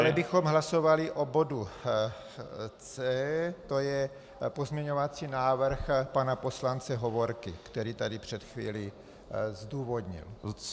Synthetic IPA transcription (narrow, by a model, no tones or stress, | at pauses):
alɛbɪxo̞mɦlaso̞valɪʔobo̞du | t͡sɛːt̪o̞jɛ | po̞zmɲɛɲovat͡siːnaːvr̩xpanapo̞slant͡sɛɦovoɾkɪkt̪ɛɾiːt̪adɪpr̝̥ɛt̪xvḭːli | zd̪uːvo̞d̪ɲɪ̰l